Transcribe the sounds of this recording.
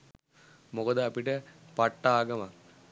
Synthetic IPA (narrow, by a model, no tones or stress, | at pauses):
mokɐd̪ɨɐpiʈəpaʈːaːɡɐʋa